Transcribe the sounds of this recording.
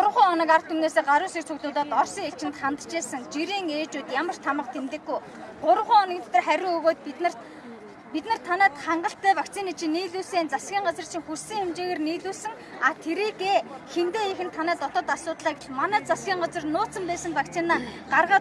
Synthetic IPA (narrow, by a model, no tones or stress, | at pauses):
ʊɾʁʊːɔnə̆kart̪ʰːumneːseːɢaɾʊːsekt͡sʰɵɣɮʊːt̪aːt̪ɔrsiːŋet͡ɕɪ̆nt̪χant̪t͡ɕeːsə̆ŋt͡ɕiɾiːŋeːt͡ɕuːt̪jamə̆r̥t̪ʰːamə̆qt̪ʰemt̪ɘ̆ɡuj | ɢʊɾ̆ʁʊːɔnə̆kt̪ʰt̪ə̆rχæɾʲʊŋɵɣoːt̪̚p̪̆ | pit̪nə̆r̥t̪ʰanæːt̪χaɴɢə̆ɬt̪ːæːwakt͡sʰinit͡ɕʰĭniːɮuːseːnt͡sasɡʲiːɴɢat͡sər̥t͡ɕʰĭŋxursĭːŋxemt͡ɕeːɣeːrniːɮuːɮsɘ̆ŋ | at̪ʰeɾiːkeːxent̪eːexɘ̆nt̪ʰːanæːt̪ɔt̪ɞ̆t̪asʊːt̪ɮaːkɪ̆ɮmanæːt͡sasɡʲiːɴɢat͡sə̆rnʊːt͡sə̆mpæːsə̆mpakt͡sʰinaːɢarʁaː